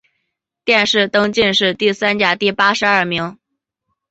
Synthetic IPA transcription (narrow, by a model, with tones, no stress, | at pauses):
t̪jɛ˥˧nʂɻ̩˥˩t̪ɤ˥ŋt͡ɕi˥˧nʂɻ̩˥˧t̪i˥˩sa˥nt͡ɕja˥˩t̪i˥˩pa˥ʂɻ̩˧˥ɐ˞˥˩mi˧˥ŋ